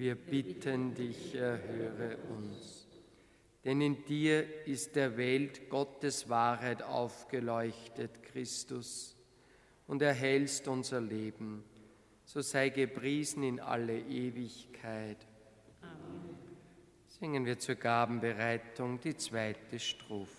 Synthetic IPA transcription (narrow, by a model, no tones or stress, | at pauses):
viːɐb̥ɪtʰəndɪçɛɐɦøːʁəʔʊns | d̥ɛnɪnd̥iːɐɪst̚d̥eːɐvɛltɡ̥ɔtəsv̥aːɐɦaɪta̰ʊfɡ̥əlɔʏçtətkʁ̥ɪstʊs | ʊndeːɐɦɛlstʊnzɐleːbm̩ | z̥oːzaɪɡəpʁ̥iːzn̩ɪnʔa̰ləʔeːvɪçkʰaɪt | z̥ɪŋənviːɐt͡suːɐɡaːbm̩bəʁaɪtʊŋd̥iːt͡sv̥aɪtəʃtʁ̥oːf